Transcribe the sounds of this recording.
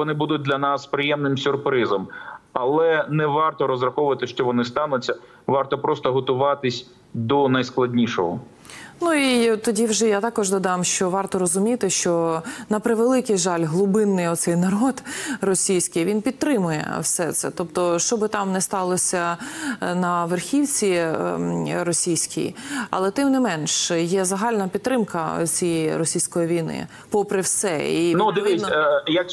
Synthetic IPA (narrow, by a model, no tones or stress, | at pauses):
ɔnɪbud̪ʊt̚ʲd̪lʲɐnɑspɾɪjɛmnɪmsʲʊrpɾɪzɐmɐlˠɛnɛʋɑrt̪ɔɾɔzrɐxɔʊʋɐt̪ɪʃt͡ʃɔʋɔnɪst̪ɑnʊt͡sʲːɐ | ʋɑrt̪ɔpɾɔst̪ɔɦɔt̪ʊʋɑt̪ɪsʲ | d̪ɔnɐjsklˠɐdʲnʲiʃɔɦɔ | nuit̪ɔdʲiwʒɛjat̪ɑkɔʒd̪ɔd̪ɑmʃt͡ʃɔʋɑrt̪ɔɾɔzʊmʲit̪ɪʃt͡ʃɔnɐpɾɪʋelˠɪkɪjʒɑlʲɦlˠʊbɪnːɪjɔt̪sɛjnɐɾɔd̪rɔsʲijsʲkɪjʋʲinpʲid̪̚t̪ɾɪmʊjɛ̰wsɛt̪sɛ̰t̪ɔpt̪ɔʃt͡ʃɔbɪt̪ɑmnɛst̪ɑlˠɔsʲɐ | nɐʋerxʲiwt͡sʲi | ɾɔsʲijsʲkʰʲɪ̰jɐ̰lˠɛt̪ɪmnɪmɛnʃjɛzɐɦɑlʲnɐpʲid̪t̪ːɾɪmkɐ̰t͡sʲijiɾɔsʲijsʲkɔjiʋʲijnɪ̰ | pɔpɾɪwsɛ̰inud̪ɪʋʲijɐk